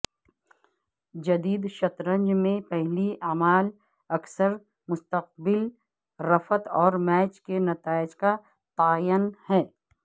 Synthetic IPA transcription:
d͡ʒɐd̪iːd̪ʃɐt̪ɾə̃ɲd͡ʒmẽpɛɦliaːmaːl | ɐksəɾ | mʊst̪əq̚bɪl | ɾɐfət̪ɔːɾmɛːt͡ʃkenɐt̪aːɪd͡ʒka | t̪aːjənhɛː

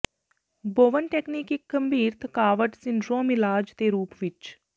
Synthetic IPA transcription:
boːʋənʈɛːkniːkɪkɡəmbiːɾt̪ʰkaːʋəʈsɪnɖɾoːmɪlaːd͡ʒt̪eːɾuːpʋɪt͡ʃ

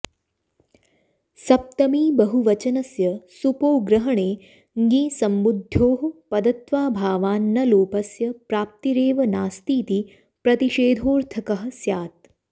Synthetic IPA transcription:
sɐp̚t̪ɐmiːbɐɦuʋɐt͡ʃɐnɐsjɐsupoːɡɾɐɦɐɳeː | ŋɡĩːsɐmbud̪ʱjoːɦpɐd̪ɐt̪ʋaːbʱaːʋaːnːɐloːpɐsjɐpɾaːp̚t̪iɾeːʋɐnaːst̪iːt̪i | pɾɐt̪iʃeːd̪ʱoːɾt̪ʰɐkɐɦɐ̆sjaːt̪̚

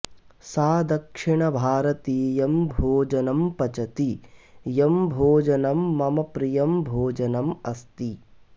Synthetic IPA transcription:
saːd̪ɐkʂiɳɐbʱaːɾɐt̪iːjɐmbʱoːd͡ʒɐnɐmpɐt͡ʃɐt̪ijɐmbʱoːd͡ʒɐnɐmːɐmɐpɾijɐmbʱoːd͡ʒɐnɐmɐst̪i

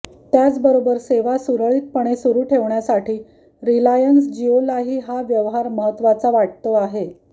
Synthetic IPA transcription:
t̪jat͡sbəɾobəɾseʋasuɾəɭiːt̪̚pəɳ̃esuɾuːʈʰeʋɳjasaʈʰiː | ɾilajənsd͡ʑiolaɦiːɦaʋjəʋɦaɾməɦət̪ːʋat͡saʋaʈ̚t̪oaɦe

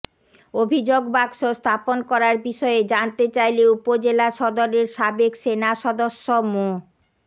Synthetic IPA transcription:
obʱid͡ʑoɡbakʃost̪ʰaponkɔɾaɾbiʃɔed͡ʑant̪et͡ɕajleupod͡ʑelaʃɔd̪oɾeɾʃabekʃenaʃɔd̪oʃːomo

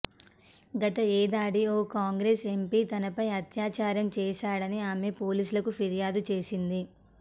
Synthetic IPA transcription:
ɡɐt̪ɐɛːd̪aːɽioːkaːŋɡɾeːse̞mpiːt̪ɐnɐpɐjɐt̪jaːt͡ʃaːɾjɐmt͡ʃɛːʃaːɽɐniaːme̞po̞ːliːsulɐkupʰiɾijaːd̪ut͡ʃe̞ːsind̪i

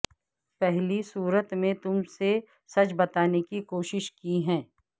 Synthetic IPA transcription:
pɛɦlisuːɾət̪mẽt̪ʊmse | sɐt͡ʃbɐt̪aːnekikoːʃɪʃkiɦɛ̃ː

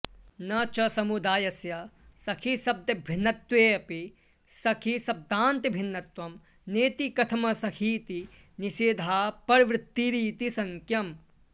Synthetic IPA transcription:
nɐt͡ʃɐsɐmud̪aːjɐsjɐsɐkʰisɐb̚d̪ɐbʱinːɐt̪weːɐpi | sɐkʰisɐb̚d̪ʱaːnt̪ibʱinːɐt̪wɐm | neːt̪ikɐt̪ʰɐmɐsɐkʰiːt̪i | niʃeːd̪ʱaːpɐɾʋɾɪt̪ːiɾiːt̪isɐŋkʰjɐm

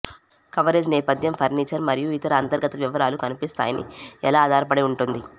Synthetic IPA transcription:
kɐʋɐɾeːd͡ʒnɛːpɐd̪ʱjɐmpʰɐɾniːt͡ʃɐɾmɐɾijuit̪ɐɾɐaːnt̪ɐɾɡɐt̪ɐʋiʋɐɾaːlukɐnipist̪a̰ːjɐnḭɛlaːd̪ʱaːɾɐpɐɽeuɳʈund̪i

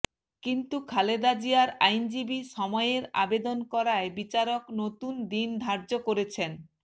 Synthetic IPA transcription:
kint̪ukʰaled̪ad͡ʑiaɾajnd͡ʑibiʃɔmɔeeɾa̰bed̪onkɔɾaebit͡ɕaɾoknot̪und̪ind̪ʱaɾd͡ʑokoɾet͡ɕʰen

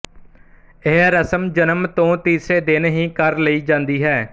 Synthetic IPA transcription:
ɪɦɾəsəmd͡ʒənəmt̪õːt̪iːseːd̪ɪnɦĩːkəɾləiːd͡ʒãːnd̪iːɦɛː

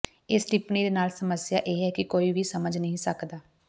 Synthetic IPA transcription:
ɪsʈɪpniːd̪eːnaːlsəməsɪjaːʔeːɦɛːkɪkoːiʋʱiːsəməd͡ʒnəɦĩːsəkd̪aː

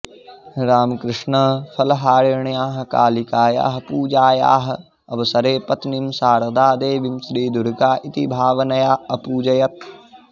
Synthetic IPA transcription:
ɾaːmkɾɪʂɳɐfʰɐlɦaːɾeɳjaːɦɐ̆ka̰ːlikaːja̰ːɦɐ̆puːd͡ʒaːja̰ːɦɐ̆ | ɐʋɐsɐɾeːpɐt̪nimsaːɾɐd̪aːd̪eːʋimsɾiːd̪ʊɾkaːʔit̪ibʱaːʋɐnɐjaːɐpuːd͡ʒɐjɐt̪̚

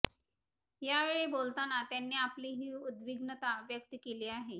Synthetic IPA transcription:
jaʋeɭebolt̪anat̪janːiːapliːɦiːud̪ʋiɡnət̪aʋjək̚t̪əkeliːaɦe

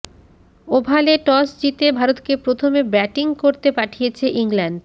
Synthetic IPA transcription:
obʱaleʈɔsd͡ʑit̪ebʱaɾot̪kepɾot̪ʰomebɾɛʈiŋkoɾt̪epaʈʰijet͡ɕʰeʔiŋlaɳɖ

